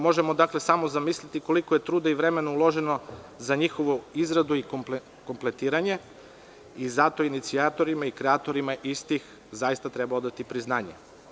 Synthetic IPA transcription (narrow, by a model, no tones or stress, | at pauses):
mo̞ʒe̞mo̞d̪akle̞samo̞zamislʲit̪iko̞likoje̞t̪ɾuːd̪aiʋɾe̞me̞noulˠo̞ʒe̞no̞ | zaɲixoʋoizɾad̪uikp | ko̞mple̞t̪iːɾaɲe̞ | izat̪o̞init̪siat̪o̞ɾimaikɾeat̪o̞ɾimaʔist̪ix | zajist̪at̪ɾebao̞d̪at̪ipɾiznaːɲḛ